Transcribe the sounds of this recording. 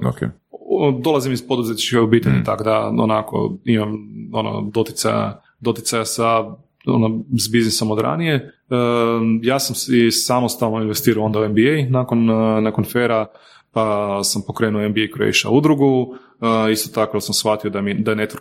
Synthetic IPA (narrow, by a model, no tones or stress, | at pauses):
o̰kʰḛ | d̪o̞lˠazimizpo̞d̪uzet̪t͡ʃikaobiːt̪eʎḭt̪akod̪ao̰nako̰imamono̰d̪o̞t̪i̥t̪sa̰ja̰ | d̪o̞t̪it̪sajasa | o̰nozbiznɪso̞mod̪ɾa̰nije̞ | jaːsamsisamo̞st̪alno̞inʋe̞st̪iːɾaoo̞nd̪auembiejnakonnakonfeɾa | pasampo̞kɾe̞ːnuoenbiejko̰ḭʃa̰ud̪ɾuɡu | ist̪o̞t̪akod̪asamsxat̪io̞d̪amid̪aenet̪ɾ